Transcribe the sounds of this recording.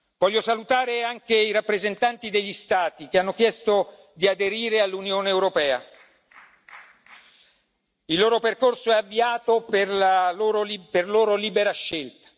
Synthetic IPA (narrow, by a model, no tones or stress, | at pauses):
v̥ɔʎːosalut̪aːɾeaŋkeiɾapːɾezent̪ant̪id̪eʎːist̪aːt̪ik̟eanːokjɛst̪o | d̪iad̪eɾiːɾealːunjoːneːwɾopɛːa̰ | ilːoːɾoperkorsoɛavːiaːt̪operlaloːɾoiperloːɾoliːbeɾaʃːelt̪ḁ